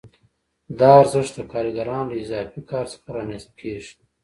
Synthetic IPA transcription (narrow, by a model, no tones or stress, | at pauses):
d̪ɑːɾzəʂt̪akɑːɾiɡaɾɑːnləizɑːfikɑːɾspəɾɑːnist̪̚kʰeːʒ